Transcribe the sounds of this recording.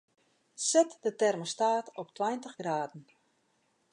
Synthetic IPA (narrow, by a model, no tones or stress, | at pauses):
sɛtdətɛrmostaːtɔptwɛjntəxɡraːdn̩